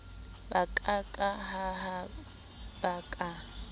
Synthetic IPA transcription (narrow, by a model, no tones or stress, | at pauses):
bakʼakʼahaɦa | bakʼa